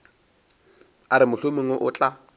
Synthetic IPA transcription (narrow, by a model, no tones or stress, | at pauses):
aɾɪmʊɬʊmɪŋoʔʊt͡ɬʼa